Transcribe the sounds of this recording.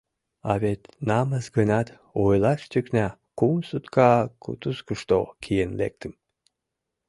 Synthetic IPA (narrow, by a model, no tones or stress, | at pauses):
ɑ̰βet̪nɑməzɡənɑt̪ | ojlɑʃt̪yknæ | kusut̪kɑkʰṵt̪uskuʃt̪o̰kʰijenlḛk̚t̪ʰəm